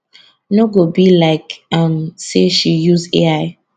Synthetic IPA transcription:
noɡobilaɪkʌ̃mseʃijuzeaɪ

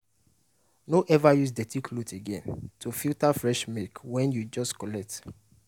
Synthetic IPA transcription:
noʔɛvajusdɛtikʰloteɡɛ̰̃ntʰufiltafɹɛʃmekwɛ̃njud͡ʒɔstkɔlɛk̚t

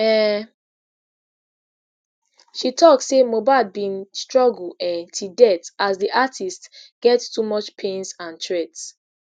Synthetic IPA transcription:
ɛ | ʃitʰɔkssemobaɪlbĩnstɹɔɡl̩ɛtʰudɛtazdiʔatʰistɡ̥ɛtstumɔt͡ʃpʰẽnsãntʰɹɛts

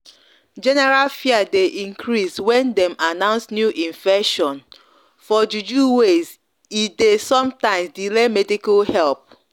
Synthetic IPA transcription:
d͡ʒɛnɛɹalfiadeʔĩŋkɹiswɛ̃ndɛ̃manãʊ̃nsnjuʔĩɱfɛʃɔ̃n | fɔd͡ʒud͡ʒuwez | idesɔ̃mtãɪ̃msdilemɛdikalhɛlp̚

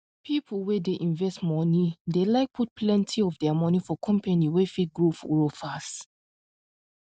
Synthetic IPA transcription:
pʰipʰəlˠwɛdeʔĩɱvɛstmɔnidelaɪk̚pʰut̚plɛ̃ntʰiɔfdɛamɔnifɔkʰɔ̃mpɛniwɛfit̚ɡɹofɔɹofast

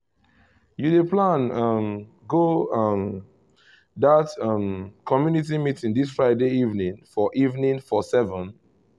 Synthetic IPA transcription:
judeplãnʌm | ɡoʌm | ðatʌmkʰɔmjunit̬imitĩŋdisfɹaɪdeivnĩŋfɔʔivnĩnfɔsɛvə̃n

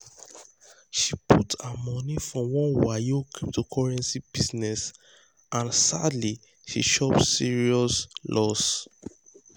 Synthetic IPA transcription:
ʃipʰutamɔnifɹɔ̃wɔ̃nwajokʰiptukʰɔɹɛ̃nsib̥iznɛs | ʔãnsadli | ʃḭʃɔpsiɹiɔslʔɔs

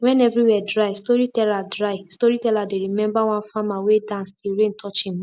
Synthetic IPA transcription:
wɛ̃nɛvɾiwɛdɾaɪstɔɾitɛladɾaɪstɔɾitɛladeɾimɛ̃mbaw̃ãnfãmawedãnstiɾẽn̩tʰɔt͡ʃĩa

